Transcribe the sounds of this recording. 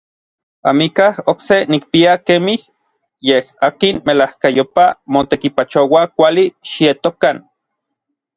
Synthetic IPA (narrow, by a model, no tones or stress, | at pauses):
amikahoksenik̚piakemih | jehakinmelahkajopamot̪ekipat͡ʃowakʷaliʃiet̪okan